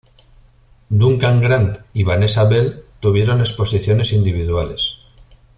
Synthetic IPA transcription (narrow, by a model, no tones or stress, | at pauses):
d̪uŋkaŋɡɾant̪iβane̞saβe̞lt̪uβje̞ɾo̞ne̞spo̞siθjo̞ne̞sind̪iβ̞iðuale̞s